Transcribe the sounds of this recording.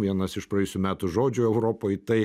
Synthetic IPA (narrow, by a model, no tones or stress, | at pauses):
ʋʲiɛnɐsɪʃprɐɛjʊsʲuːmʲæːt̪ʊʒoːd͡ʒʲʊɛʊɾoːpoːjt̪ɐɪ